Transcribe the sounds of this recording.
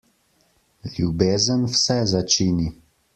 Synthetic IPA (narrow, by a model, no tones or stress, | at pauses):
lʲjubeːzənwsɛzat͡ʃiːni